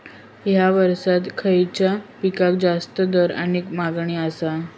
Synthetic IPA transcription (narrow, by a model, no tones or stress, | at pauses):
jaʋəɾsat̪kʰəjt͡ɕjapikak̚d͡zast̪əd̪əɾa̰niːkmaɡɳiəsa